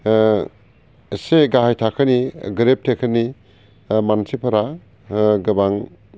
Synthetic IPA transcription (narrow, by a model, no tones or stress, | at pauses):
seɡaɦajtʰakʰəniɡɾep̚tʰekʰəni | mansipʰɐɾa | ɡɯbaŋ